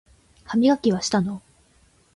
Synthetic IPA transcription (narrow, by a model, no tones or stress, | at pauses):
hamʲiɡakʲiβ̞aɕi̥t̪ano